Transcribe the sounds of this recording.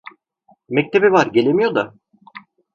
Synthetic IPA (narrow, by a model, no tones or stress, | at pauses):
mɛc̚t̪ʰe̞bivaɾɟe̞lʲemijo̞d̪a